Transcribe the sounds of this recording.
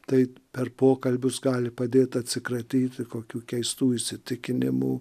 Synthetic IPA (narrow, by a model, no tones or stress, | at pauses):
t̪ɐɪpʲɛrpoːkɐlʲbʲʊsɡɑːlʲɪpɐd̪ʲeːt̪ɐt̪ʲsʲɪkɾɐt̪ʲiːt̪ʲɪkoːkʲuːkʲɛɪst̪uːɪʃsʲɪt̪ʲɪkʲɪnʲɪ̰mṵː